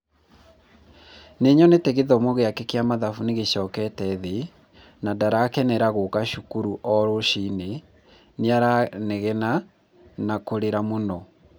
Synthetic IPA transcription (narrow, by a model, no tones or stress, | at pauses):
neɲɔneteɣeðɔmoɣeakɛkeamaðafuneɣeɕɔːkɛtɛðe | nadaɾaːkɛnɛɾaɣokaʃukuɾuʔɔɾoʃine | neaɾaneɣɛna | nakoɾeɾamonɔ